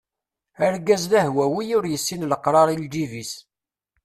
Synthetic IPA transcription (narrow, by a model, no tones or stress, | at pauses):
əɾɡæzðæhwæwijʊɾjəsːinləqɾˤɑɾˤild̪ivis